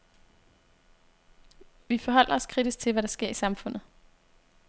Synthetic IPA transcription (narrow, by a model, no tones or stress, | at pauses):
ʋifɒ̽ɦɒ̽l̰ɐɒ̽skʰʁid̥isɡ̥̚t͡sʰe̝lʋæɾ̥ɑ̈sɡ̥e̝ɐ̰isɑ̈mfɔ̽n̰ð̩ˠ